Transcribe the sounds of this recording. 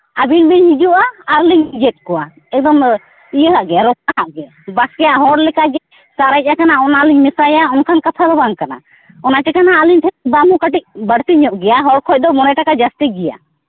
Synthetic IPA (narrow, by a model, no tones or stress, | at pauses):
abilbiɲid͡ʒuʔaːɾliɲd͡ʒɛt̪̚ˀkɔwa | ɛk̚d̪ɔm | ijəɦaʔɡɛɾɔkaɦaʔɡɛ | baskɛjaʔɦɔɽlɛkad͡ʒɛ | saɾac̚ˀakanaɔnaliɲmɛsajaɔnkʰankat̪ʰalɔbaŋkana̰ | ɔnatɛkanaʔaliɲt̪ʰɛt̪̚bamukaʈic̚bəɽt̪iɲɔʔɡɛjaɦɔɽkʰɔc̚d̪ɔmɔnajʈakad͡ʒast̪iɡɛja̰